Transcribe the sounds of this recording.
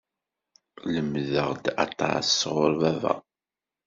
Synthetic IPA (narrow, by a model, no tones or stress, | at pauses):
ləmðəʁd̪ɑt̪ˤːɑ̰sːʁʊɾvævæ̰